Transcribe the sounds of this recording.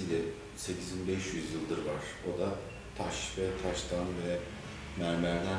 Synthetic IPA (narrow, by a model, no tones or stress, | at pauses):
ilʲɛ | se̞cʰizinbɛʃjyzjɯlˠd̪ɯɾvaɾ̥o̞d̪a | t̪ʰaʃvɛt̪ʰaʃt̪ʰanvɛ | mæɾmæɾd̪æ